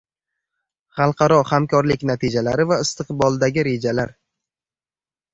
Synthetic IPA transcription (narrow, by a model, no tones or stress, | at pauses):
χɑlˠqʰɑɾɒχamkʰɒɾlɪkʲnat̪ʰɪd͡ʒalaɾɪvaɪst̪ɨqbɒlˠd̪aɡʲɪɾe̞d͡ʒalaɾ